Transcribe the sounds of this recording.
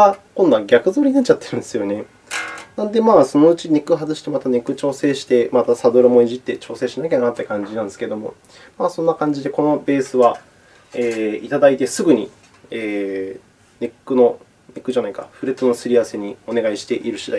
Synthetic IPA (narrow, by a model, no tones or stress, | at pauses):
akõnd̪aɡʲakɯ̟zo̞ːɾʲinat͡ɕːat̪ːe̞ɾɯ̟̃nd̪e̞sɨjo̞ne̞ | nãnd̪e̞maːso̞no̞ɯ̟t͡ɕine̞kɯ̟ɦazɨɕi̥t̪e̞mat̪ane̞kɯ̟t͡ɕo̞ːse̞ːɕi̥t̪e̞mat̪asad̪o̞ɾɯ̟mo̞iʑit̪ːe̞t͡ɕo̞ːse̞ːɕinak̬ʲanat̪ːe̞kãɲ̟d͡ʑinãnd̪sɨ̥ke̞d̪o̞mo̞̰ | maːsõ̞nːakãɲ̟d͡ʑid̪e̞ko̞no̞be̞ːsɨβa | eːit̪ad̪ait̪e̞sɨɡɯ̟ɲ̟ḭ | eː | ne̞kːɯno̞ | nekːɯ̟ʑanaikaɸɯ̟ɾet͡sɨno̞sɨɾʲiase̞ɲ̟io̞ne̞ɡaiɕi̥t̪e̞ʔiɾɯ̟ɕid̪a̰i